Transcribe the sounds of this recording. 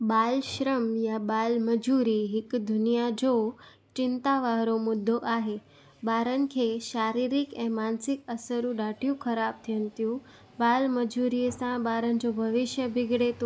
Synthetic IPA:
balɕɾəmjabalməd͡ʑuɾiɦikd̪ʱunijad͡ʑo | t͡ɕint̪aʋaɦɾomud̪ʱːoʔaɦe | baɾənkʰeɕaɾiɾikẽmansikəsəɾũɖaʈʰijũkʰəɾab̚t̪ʰənt̪jũ | balməd͡ʑuɾiesãbaɾənd͡ʑobʱəʋiɕjəbʱiɡɽet̪

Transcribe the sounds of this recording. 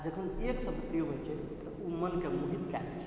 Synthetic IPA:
d͡ʒəkʰəneksəbpɾijomet͡ʃʰɛ | t̪əumənkemuɦit̪kalɛ̰t͡ʃʰɛ̥

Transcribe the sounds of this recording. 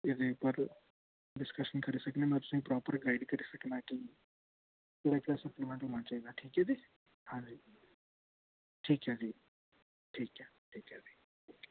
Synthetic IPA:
ɪd̪ʱepəɾ | ɖɪskəʃənkʰɐɾisɐknemɛ̃ːt̪ʊ̥sĩpɾɔːpəɾɡaɪɖkɐɾisɐknaki | t̪uɽaklasɐplemẽɳʈɦomãt͡ʃaeɡaʈʰiːkɦɛd͡ʒiː | hãːd͡ʒi | ʈʰiːkɦãːd͡ʒi | ʈʰiːkɦɛːʈʰiːkɦɛd͡ʒi | ʈʰiːk

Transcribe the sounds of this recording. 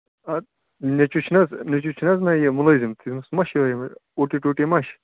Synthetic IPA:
ɐ | nʲet͡ʃut͡ʃʰnɐznet͡ʃut͡ʃʰnɐznɐjɐmulɐzimt̪izmɐsmɐʃʋɐimɐoʈiʈoʈimɐʃ

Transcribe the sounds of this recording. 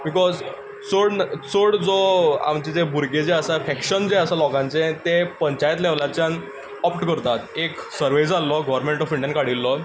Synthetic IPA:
bikɔz | t͡soɽt͡soɽd͡zɔa̰mt͡ɕid͡zebʱuɾɡed͡zeəsafɛkɕənd͡zeəsalɔkãɲt͡set̪epəɲt͡ɕajt̪̬lɛʋlat͡ɕjan | ɔpʈkəɾt̪at̪eksəɾʋejd͡zalːɔɡɔʋɾmẽɳʈɔfiɳɖjənkaɽilːɔ

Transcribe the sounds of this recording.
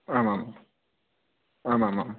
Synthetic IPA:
amama | aːmamam

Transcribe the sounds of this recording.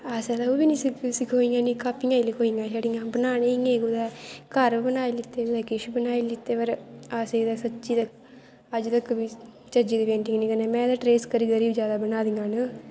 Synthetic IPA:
aːseːd̪aːoːbiːnĩːsɪksɪkʰoːiŋɡaːniːkaːpːɪŋɡaːilikʰoːiŋɡaːʃəɽiŋɡãːbənaːneŋɡeːɡud̪ɛːkəɾbənaːilɪt̪ːeːʊd̪ɛːkɪʃbənaːilɪt̪ːeːʋəɾaːseːd̪aːsətːt͡ʃʃiːt̪ək | əd͡ʒt̪əkbi | t͡ʃəd͡ʒiːd̪iːʋẽːɳʈɪŋɡniːkəneːmɛ̃ːd̪aːʈɾeːskəɾiːɡəɾiːbd͡ʒjaːd̪aːbənaːd̪iŋɡaːnə

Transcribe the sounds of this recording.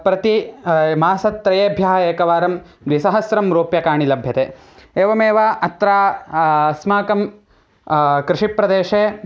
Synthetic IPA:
pɾɐt̪imaːsɐt̪ːɾɐjeːbʱjaɦɐeːkɐʋaːɾɐm | d̪ʋisɐɦɐsɾɐmɾoːpjɐkaːɳilɐbʱjɐt̪eː | eːʋɐmeːʋaʔɐt̪ɾaː | smaːkɐm | kɾɪʂipɾɐd̪eːʂeː

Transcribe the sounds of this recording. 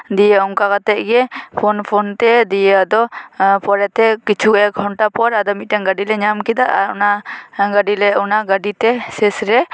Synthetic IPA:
d̪ijəumkakat̪ɛʔ̚ɡɛpʰɔnpʰɔnt̪ɛd̪ijead̪ɔpɔɾɛt̪ɛkit͡ʃʰuɡɔɛɡʱɔɳʈapɔɾad̪ɔmit̪̚ˀʈɛŋɡaɖilɛɲamkid̪aʔaunaɡaɖilɛɔnaɡaɖit̪ɛsɛsɾɛ

